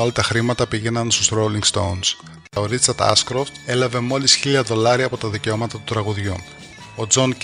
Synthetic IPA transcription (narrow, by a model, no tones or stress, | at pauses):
olɐt̪ɐxɾimɐt̪ɐpiʝe̞nɐnst̪ost̪ɾoliŋɡst̪o̰uns | t̪ɐoɾit͡sɐɾt̪ɐ̰skɾoft̪e̞lɐve̞mo̞lisçiʎɐðo̞lɐɾiɐpot̪ɐðice̞o̞mɐt̪ɐt̪u̥t̪ɾɐɣuðʝu | o̞d͡zo̞n